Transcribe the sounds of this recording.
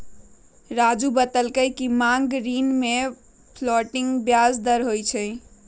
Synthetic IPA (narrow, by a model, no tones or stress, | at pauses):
ɾad͡ʒubət̪əlkəjkimaŋɡɾinme | pʰlɔʈiŋɡbjazd̪əɾɦojt͡ʃʰə